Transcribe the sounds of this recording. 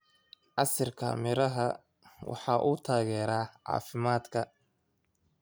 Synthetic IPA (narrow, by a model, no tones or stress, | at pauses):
ʔɑsɐrkʰɐ̰mɪɾɐɦɐ | wɑ̰ħɑːʔuːt̪ʰaːɣɛːɾaːʕɑ̰ːfɪmaːd̪kʰɐ